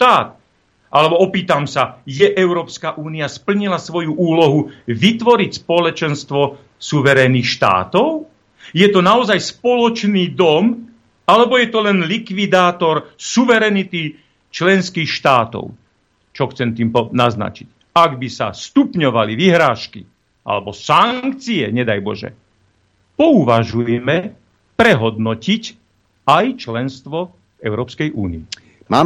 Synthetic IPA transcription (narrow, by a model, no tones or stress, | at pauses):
ʃt̪aːt̪̚ | ʔalɛbɔɔpiːt̪amsajɛʔɛʊɾɔːpskaʔuːniaspl̩ɲilasʋɔjuʔuːlɔɦuʋit̪ʋɔɾicspɔlɛt͡ʃɛnst̪ʋɔ | suʋɛɾɛniːxʃt̪a̰ːt̪ɔʊ | jɛt̪ɔnaɔzajspɔlɔt͡ʃniːd̪ɔm | alɛbɔjɛt̪ɔlɛnlikʋid̪aːt̪ɔɾsuʋɛɾɛnit̪i | t͡ʃlɛnskiːxʃt̪aːt̪ɔ̰ʊ | t͡ʃɔxt͡sɛmt̪iːmpɔnazna̰t͡ʃic | aɡbisa̰st̪upɲɔʋaliʋiɦɾaːʃkḭ | ʔa̰lɛbɔsaŋk̚t͡siɛɲɛd̪ajbɔ̰ʒɛ̰ | pɔuʋaʒujɛmɛ | pɾɛɦɔd̪nɔcic | ajt͡ʃlɛnst̪ʋɔ | ɛʊɾɔːpskɛjʔuːniɛ | maː